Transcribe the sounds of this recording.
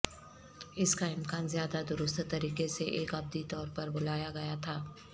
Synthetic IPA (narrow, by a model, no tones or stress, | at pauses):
ɪskaɪmkaːnzjaːd̪ad̪ʊɾʊst̪t̪ɐɾiːqeseʔeːkɐb̚d̪it̪ɔːɾpɐɾbʊlaːjaɡɐjat̪ʰaː